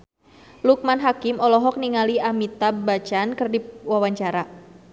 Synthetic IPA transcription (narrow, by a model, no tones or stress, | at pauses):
luk̚manɦakɪmɔlɔɦɔk̚niŋaliamit̪abat͡ʃankərdip̚wawaɲt͡ʃaɾa